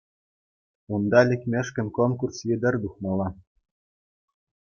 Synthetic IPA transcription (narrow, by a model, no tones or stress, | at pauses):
und̪ɑlʲɘ̆kʲmʲĕʃkʲɘ̆nkonkursjʲed̪ɘ̆rd̪uχmɑlˠɑ